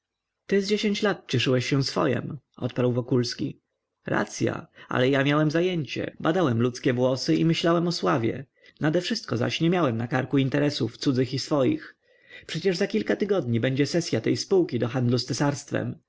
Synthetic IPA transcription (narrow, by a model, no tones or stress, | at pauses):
t̪ɘzd͡ʑeɕeɲt͡ɕlat̪̚t͡ɕɛʂɘwɛɕːɛsfɔ̰jɛ̰m | ɔ̰t̪̚paɾwvɔkulskʲḭ | ɾa̰t̪sʲja̰a̰lɛjamʲjawɛmzajɛɲt͡ɕɛ̰bad̪awɛmlut̪skʲɛvwɔsɘimɘɕlawɛmɔswavʲjɛ̰ | nad̪ɛfʂɘst̪kɔza̰ɕɲɛmʲjawɛmnakaɾkuint̪ɛɾɛsuft̪sud̪zɘxisfɔjḭx | pʂɛt͡ɕɛʐzakʲilkat̪ɘɡɔd̪̚ɲibɛɲd͡ʑɛsɛsʲjat̪ɛjspuwkʲid̪ɔxand̪lust̪ɛsaɾst̪fɛ̰m